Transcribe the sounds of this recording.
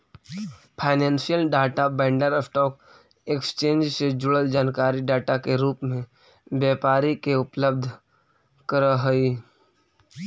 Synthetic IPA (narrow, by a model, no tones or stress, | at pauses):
pʰaːɪnẽːnʃijəlɖaːʈabɛ̃ːɳɖəɾəsʈɔːk̚ | ekst͡ʃẽːnd͡ʒsed͡ʒʊɽəld͡ʒaːnkaːɾiɖaːʈakeɾuːpmẽ | bjɛːpaːɾikeʊpləbd̪ʱ | kəɾəɦəi